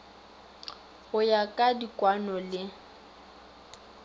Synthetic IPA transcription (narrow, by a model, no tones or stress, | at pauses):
ɣʊjakʼadikʼwanɔlɪ